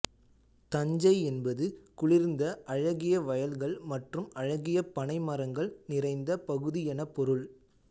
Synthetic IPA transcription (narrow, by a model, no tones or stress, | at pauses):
t̪ɐɲd͡ʒɐɪɛnbɐðɯkʊɭɪɾnd̪ɐʔɐɻɐɣɪjɐʋɐjɐlɣɐɭmɐʈrɯmɐɻɐɣɪjɐpɐɳɐɪmɐɾɐŋɡɐɭnɪrɐɪnd̪ɐpɐɣɯðɪjɐnɐpːɔɾɯɭ